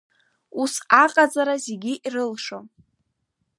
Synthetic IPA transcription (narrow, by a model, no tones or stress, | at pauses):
usaqʼad͡zaɾazeɡʲiʔirɨlʂom